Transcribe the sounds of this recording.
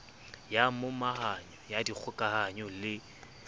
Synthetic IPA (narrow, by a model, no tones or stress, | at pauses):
jamʊmaɦaɲɔjadik͡xʰʊkʼahaɲʊlɪ